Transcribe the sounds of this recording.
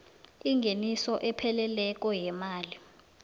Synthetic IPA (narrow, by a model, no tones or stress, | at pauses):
iŋɡʱenisɔʔɛpʰɛlɛlɛk̬ʼɔjɛmaːli